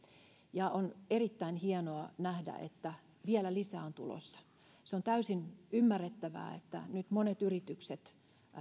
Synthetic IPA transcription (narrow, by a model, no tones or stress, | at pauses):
jɑonerit̪ːæinhienoɑnæhdæ̰ʔḛt̪ːæ | ʋiælælisæːont̪ṵlo̰sːɑ̥ | seont̪æysinymːærːet̪ːæʋæ̰ːḛt̪ːæ̰nyt̪monet̪yrit̪ykset̪